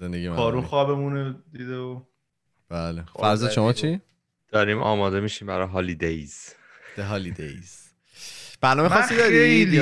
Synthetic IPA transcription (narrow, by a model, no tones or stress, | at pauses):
zend̪e̞ɟiːekːɒːɾunxɒːbemuned̪iːd̪eo | b̥æːlefæɾzɒːʃomɒːt͡ʃʰi | d̪̥ɒːɾimʔɒ̰ːmɒːd̪e̞miːʃiːmbæɾɒɦɒːlid̪ejz̥ | d̪̥eɦɒːlid̪ḛjz̥ | b̥æɾnɒːmexɒsid̪ɒe